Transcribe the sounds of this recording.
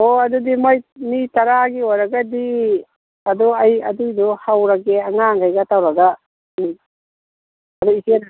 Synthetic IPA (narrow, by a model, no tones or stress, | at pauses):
oɐd̪udimojnitaɾaɡiojɾaɡadi | ad̪ɔɐjɐ̰dujdɔhawɾaɡeaŋaŋɡajɡatawɾaɡa | ni | ɐduise